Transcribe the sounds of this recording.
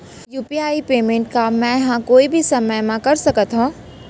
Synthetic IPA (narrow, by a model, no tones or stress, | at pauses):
juːpiaːipeːmẽːɳʈ̚kamɛ̃jɐɦãkoːibʱisɐməjmãkɐɾsɐkət̪ɦũː